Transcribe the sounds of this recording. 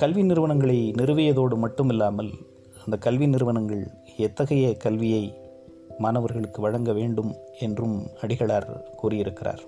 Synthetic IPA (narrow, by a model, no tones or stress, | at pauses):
kɐlʋɪnɪɾɯʋɐɳɐŋɡɐɭɐɪnɪɾɯʋɪjɐðoːɽɯmɐʈːɯmɪlːaːmɐl | ɐnd̪ɐkɐlʋɪnɪɾɯʋɐnɐŋɡɐɭ | ɛt̪ːɐɣɐjɐkɐlʋɪjɐɪ | maːnɐʋɐɾɣɐɭɯkːɯʋɐɻɐŋɡɐʋeːɳɖɯmɛndrɯmɐɽɪɣɐɭaːɾkuːrɪjɪɾɯkːɪra̰ːɾ